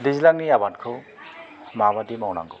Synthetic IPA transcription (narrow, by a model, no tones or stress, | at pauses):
dizlaŋniabatkʰɯ | mabadimɔwna̰ŋɡɯ